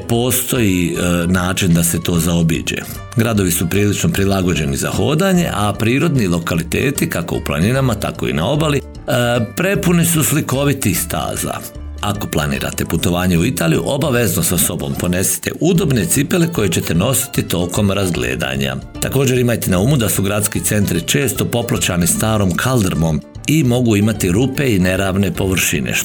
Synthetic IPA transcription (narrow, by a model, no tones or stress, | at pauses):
po̞ːst̪o̞jinaːt͡ʃind̪ase̞t̪o̞ːzao̞bḭd͡ʒḛ | ɡɾad̪o̞ʋisupɾiːlit͡ʃnopɾilˠaɡo̞d͡ʑe̞niza̰ho̞̰ːd̪aɲe̞̰ʔapɾiːɾo̞d̪nilˠo̞kalit̪e̞̰ːt̪ikako̞̰ṵplˠa̰ninamat̪a̰ko̞ḭna̰o̞bali | pɾe̞punisusliko̞ʋit̪ist̪a̰ːza̰ | ako̞plˠanḭːɾa̰t̪e̞put̪o̞ʋaːɲeuit̪aːlijṵʔo̞baʋe̞znosaso̞bo̞̰mpo̞ne̞si̥t̪ḛʔud̪o̞bnet̪sipe̞leko̞jet͡ɕet̪e̞no̞si̥t̪it̪o̞ːko̞mɾazɡlḛːd̪a̰ɲa̰t̪ako̞ːd͡ʑe̞ɾimajt̪enauːmud̪asuɡɾat̪skit̪se̞nt̪ɾit͡ʃe̞ːst̪o̞po̞plˠat͡ʃanist̪aːɾo̞mkʰald̪ɾmo̞m | imo̞ɡuimat̪iɾupe̞ine̞ɾaːʋne̞po̞ʋr̩ʃḭnḛ